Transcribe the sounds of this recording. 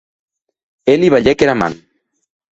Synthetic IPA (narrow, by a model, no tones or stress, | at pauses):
eliβaʎɛkeɾama̰n